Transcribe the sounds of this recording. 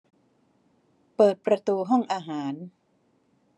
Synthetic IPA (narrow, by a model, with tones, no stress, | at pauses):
pɤː˨˩t̪̚pɾa˧t̪uː˧ɦɔ˥˩ŋʔaː˧ɦaː˩˦n